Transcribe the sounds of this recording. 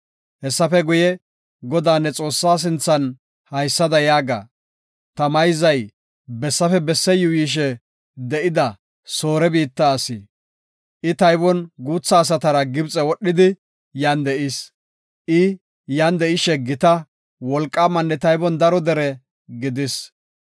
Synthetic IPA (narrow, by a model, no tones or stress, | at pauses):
hɛsːɐfɛɡʊjɛ | ɡɔd̪aːnːɛt͡sʼo̞ːsːaːs̬ɪnt͡sːɐn | hɐjsːɐd̪ɐjaːɡa̰ː | t̪ɐmɐjzɐj | bɛsːɐfɛbɛsːɛjʊjiːʃ̬ɛ | d̪ɛʔɪd̪ɐ | so̞ːɾɛbiːt̪ːɐːsɪ | ʔɪt̪ɐjbɔnɡuːt͡sːɐːs̬ɐt̪ɐɾɐɡɪbt͡sʼɛwɔɗːɪd̪ɪ | jaːnd̪ɛʔɪs | ʔɪ | jaːnd̪ɛʔɪʃɛɡɪt̪ɐ | wɔlkʼːaːmɐnːɛt̪ɐjbɔnd̪ɐɾɔd̪ɛɾɛ | ɡɪd̪ɪs